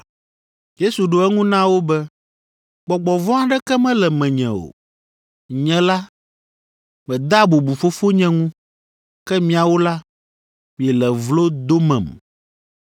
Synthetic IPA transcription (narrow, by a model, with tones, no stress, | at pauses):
je˦su˨ɖo˨ɛ˦ŋũ˦nã˦wo˦bɛ˦ | ɡ͡bɔ˨ɡ͡bɔ˨vɔ̃˦a˦ɖɛ˦kɛ˦mɛ̃˦lɛ˨mɛ̃˨ɲɛ̰̃˨o̰˨ | ɲɛ̃˨la˦ | mɛ̃˨d̪a˦bo˨bu˨fo˦fo˦ɲɛ̃˦ŋũ˦ | kɛ˦mĩ˦˨a˨wo˦la˦ | mĩ˨ɛ˨lɛ˨vlo˦d̪o˦mɛ̰̃˨m